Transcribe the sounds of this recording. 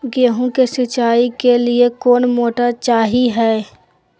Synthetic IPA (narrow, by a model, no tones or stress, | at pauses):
ɡjəɦũkesət͡ʃaːikeliekoːnmoːʈat͡ʃaːɦiɦɛː